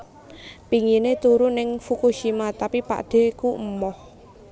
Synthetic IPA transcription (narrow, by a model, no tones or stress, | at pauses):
piŋinet̪uɾunɪŋfukuʃimat̪apipa̰d̥e̤kuʔ̩mɔh